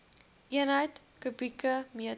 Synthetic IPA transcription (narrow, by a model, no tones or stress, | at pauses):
ʔiənɦəjt | kʉbikəmiə